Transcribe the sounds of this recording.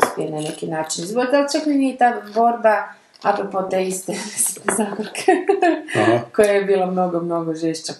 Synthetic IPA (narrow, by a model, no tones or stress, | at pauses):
spienanekinaːt͡ʃinzbod̪alt͡ʃ̪akmeniit̪ad̪bo̞ɾba | apɾopot̪eist̪eesi̥t̪ezakoɾkʰe | kojajebiːlˠamnoɡomno̞ɡoʒeʃt͡ʃa